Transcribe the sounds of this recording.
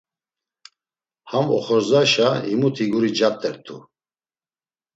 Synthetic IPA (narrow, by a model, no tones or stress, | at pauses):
hamɔ̰χɔɾzaʃaimut̪ʰiɡuɾid͡ʒap̚t̪ʼɛɾt̪ʰu